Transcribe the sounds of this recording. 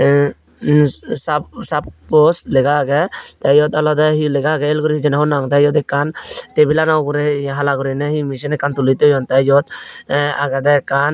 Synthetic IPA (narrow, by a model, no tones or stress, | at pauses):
sapsappɔslɛɡaɡɛt̪ajɔt̪ɔlɔd̪ɛɦilɛɡaɡɛːlɡɔɾihid͡ʒɛnaɦɔnaŋt̪ajɔt̪ɛkant̪ɛbilanawɡuɾɛɦalaɡɔɾinɛhimisinɛkant̪ulit̪ɛjɔnt̪ad͡ʒɔt̪̚aɡɛd̪ɛkan